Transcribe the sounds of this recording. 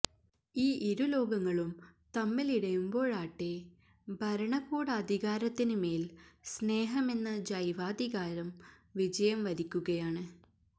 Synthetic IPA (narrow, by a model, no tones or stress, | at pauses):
iːʔiɾulo̞ːɡɐŋːɐɭumt̪ɐmːiliɽɐjumbo̞ːɭaːʈːe | bʱɐɾɐɳɐkːuːɽɐːd̪ʱiɣaːɾɐt̪ːinume̞ːlsne̞ːɦɐme̞nːɐd͡ʑɐjʋaːd̪iɣaːɾɐm | ʋid͡ʑɐjɐmʋɐɾikʲːuɣɐjaːɳɨ